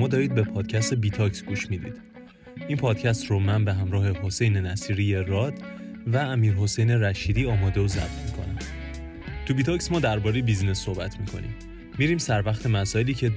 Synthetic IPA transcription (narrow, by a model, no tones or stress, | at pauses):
mɒːd̪ɒːɾiːd̪̚be̞pʰɒːd̪̥cʰæst̪ebiːt̪ʰɒksɡuːʃmiːd̪ḭd̪̥ | ʔinpʰɒːd̪̥̚cʰæst̪romænbe̞ɦæmɾɒːhe̞ɦo̞se̞jne̞næsiːɾiːjeɾɒːd̪̥væːmiːɾɦo̞sejne̞ɾæʃiːd̪iːɒːmɒːd̪e̞ozæ̰b̥̚t̪ʰmiːkʰo̞̰næm | t̪ʰubiːt̪ʰɒcsmɒːd̪æɾbɒːɾejebiznesːo̞hbæt̪ʰmiːkʰo̞̰nḭmː | iɾiːmsæɾvæxt̪ʰe̞mæsɒːeliːcʰe̞